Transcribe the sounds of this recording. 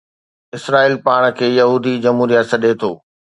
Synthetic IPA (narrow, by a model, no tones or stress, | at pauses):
ɪsɾaːiːlpaːɽ̃əkʰeːjɐɦuːd̪id͡ʑɐmɦuːɾijət̪sɐɗʱet̪ʰoː